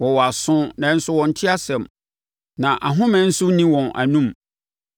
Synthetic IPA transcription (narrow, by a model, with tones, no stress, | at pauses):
wɔ˨wɔ˨a˨sʊ̃˦nã˨˦n̩˦sʊ˦wɔ̃˨n̩˨tʰi˦a˦sɛ̃˨m | nã˨ʔa˨ɦʊ̃˦mɛ̃˨˦n̩˦sʊ˦nĩ˦wɔ̃˨na̰˨nũ˦m